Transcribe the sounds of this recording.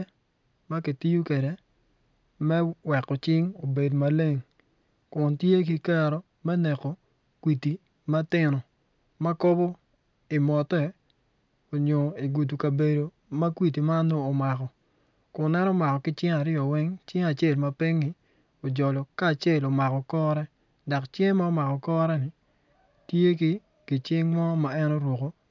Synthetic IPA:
ma˦ki˨ti˦ju˦kɛ˨de˨˦ | mɛ˦wɛ˨kɔ˨t͡ʃɪ˦ŋo˨be˨dma˦le˦ŋ | kʊ˨ntje˦ki˦ka˦ɾo˦ | mɛ˦nɛ˨ko˨ | kwi˨ti˨ | ma˦tɪ˨nɔ˨ | ma˦ko˦bo˦ | i˨mɔ˨tɛ˨ | o˨ɲo˨i˨ɡu˨t̬u˨ka˨be˨do˨ | ma˦kwi˦t̬i˨ma˦noː˦˨ma˨kɔ˨ | ko˨nɛ˦nɔ˦ma˨kɔ˨kɪ˦t͡ʃɪ˦ŋa˨ɾɪɔ˨wɛ˦ŋt͡ʃɪ˦ŋa˨t͡ʃe˦˨lma˦pɪ˦ŋnɪ˦ | o˨d͡ʒɔ˨lɔ˨kaː˦˨t͡ʃje˦˨lo˨ma˨kɔ˨kɔ˦ɾɛ˦ | da˨kt͡ʃje˦ma˦o˦ma˨kɔ˨kɔ˦ɾɛ˦nɪ˨ | tje˦ki˦ | ki˨t͡ʃɪ˦ŋŋwɔ˦ma˨ɛ˦no˦ɾwo˨ko˦

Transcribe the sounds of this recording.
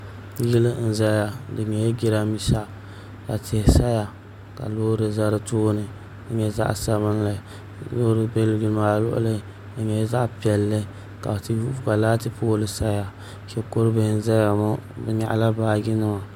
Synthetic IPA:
jɪ˦lɨ˦n̩˦za˦ja˨dɨ˨ɲɛ˨jɛ˦ɡɪ˦ɾa˦mi˦sa˦ | ka˨tɪ˨sa˦ja˨ | ka̰˨loː˦ɾɨ˨za˦ɾɨ˦tʊː˦nɨ˨ | dɨ˨ɲɛ˨za̰˦ʔsa˦βɨ˦n˦la˨ | loː˦ɾɨ˨˦be˦lɡɨ˦lmaː˦lʊ̰˦ʔʊ̰˦lɨ˦ | ɨ˨ɲɛ˨˦za˦ʔpi˨˦ɛ˨lːɨ˦ | ka̰˨ti˦˨˦ka˨laː˦tɨ˦poː˦lɨ˨sa˦ja˨ | kɛ˨ko˦ɾɨ˦bɨ˨˦˨n̩˦za˦ja˨mɔ˦bɨ˨ɲa̰˨ʔla˦baː˦ɡɪ˦nɨ˦ma˨

